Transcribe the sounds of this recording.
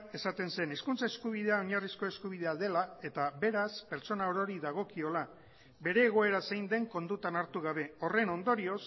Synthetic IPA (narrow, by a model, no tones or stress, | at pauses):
e̞sat̪e̞nse̞niskunt͡saeskuβ̞ið̞e̞ao̞ɲarisko̞e̞skuβ̞ið̞e̞aðe̞lae̞t̪aβe̞ɾaspe̞ɾt͡ʃo̞naoɾo̞ɾiðaɣ̞o̞kio̞la | be̞ɾe̞ːɣ̞o̞e̞ɾasejnd̪e̞ŋko̞nd̪ut̪anaɾt̪uɣaβ̞e̞o̞re̞no̞nd̪o̞ɾio̞s